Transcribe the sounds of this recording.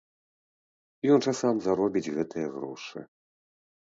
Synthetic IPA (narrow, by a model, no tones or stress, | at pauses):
jɔnt͡ʂasamzaɾɔbʲid͡zʲɣɛt̪ɨjɛɣɾɔ̰ʂɨ̰